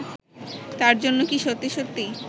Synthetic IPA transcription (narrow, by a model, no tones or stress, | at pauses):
t̪aɾd͡ʑonːokiʃot̪ːiʃot̪ːi